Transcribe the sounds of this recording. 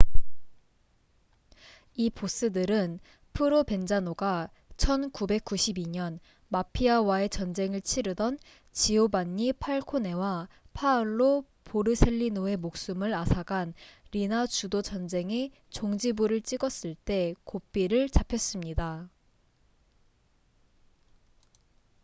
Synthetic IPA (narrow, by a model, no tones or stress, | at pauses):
ipos͈ɯdɯɾɯn | pʰɯɾope̞nd͡ʑanoɡa | t͡ɕʰʌnkube̞k̚k͈uɕʰibiɲʌn | mapʰiawae̞t͡ɕʌnd͡ʑe̞ŋɯɭt͡ɕʰiɾɯdʌn | t͡ɕiobaɲːipʰaɭkʰone̞wa | pʰaɯɭːo | poɾɯsʰeʎːinoe̞mok̚s͈umɯɾasʰaɡanɾinat͡ɕudot͡ɕʌnd͡ʑe̞ŋe | t͡ɕoŋd͡ʑibuɾɯɭt͡ɕ͈iɡʌs͈ɯɭt͈e̞kop͈iɾɯɭt͡ɕapʰjʌs͈ɯmɲida